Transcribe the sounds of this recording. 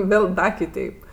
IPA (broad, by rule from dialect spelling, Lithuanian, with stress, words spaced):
ˈʋʲeːlˠ ˈdɐ kʲɪˈtʲɛɪp